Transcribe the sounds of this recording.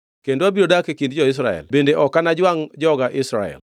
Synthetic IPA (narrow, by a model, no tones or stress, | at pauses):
kendoabiɾodakekind̚d͡ʒɔɪs̬ɾa̰ɛ̰lbendeʔɔkːanad͡ʒwaŋd͡ʒɔɡaʔɪsɾa̰ɛ̰l